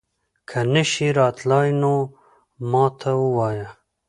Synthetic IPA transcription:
kʰanɪʃiɾɑːt̪lɑːjno | mɑːt̪ʰawuwɑːja

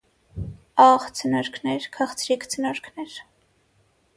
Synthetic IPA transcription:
ɑχt͡sʰənɔɾkʰnɛɾkʰɑχt͡sʰɾikʰt͡sʰənɔɾkʰnɛɾ

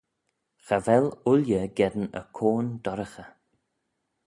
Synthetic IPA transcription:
xavɛlʊljəɡɛd̪ənə̰kʰoːnd̪ɔɾəxə

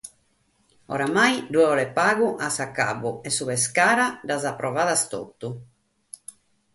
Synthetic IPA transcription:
ɔ̰ɾamajd̪uɛɔlɛpaːɣuʔasakːa̰βuɛsuβɛskaːɾad̪azapːɾɔvaːðast̪o̰t̪ːu

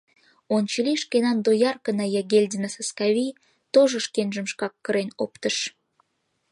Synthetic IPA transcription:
ont͡ɕəliʃkenɑnd̪ojɑrkənɑjɑɡelʲdʲinɑsɑskɑβij | t̪oʒoʃkenʒə̆mʃkɑkːəɾenopt̪əʃ

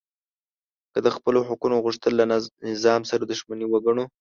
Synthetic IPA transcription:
kəd̪əxpəlohʊkunoɣuʂt̪əlːanɪzɑmsaɾad̪ʊʃmaniwaɡaɳo

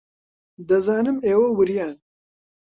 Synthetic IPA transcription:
d̪ɐzaːnɨmeːwowɨɾjaːn

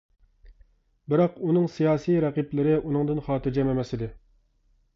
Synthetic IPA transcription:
bɪɾɑqunɨŋsijɑːsijɾɛqiplɪɾɪʔunɨŋd̪ɨnχɑːt̪ɪɾd͡ʒɛmɛmɛsɪd̪ɪ

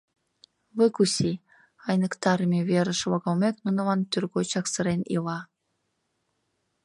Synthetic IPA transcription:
βɨkusʲi | ɑjnə̆kt̪ɑɾmʲeβʲeɾə̆ʃβɑɣɑlmʲeknunəlɑnt̪yrɣot͡ɕɑksə̆ɾenḭlɑ

